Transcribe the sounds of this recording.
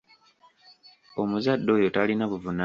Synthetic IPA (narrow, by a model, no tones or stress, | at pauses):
o̞muzadːo̞ːjo̞talinaβuvuna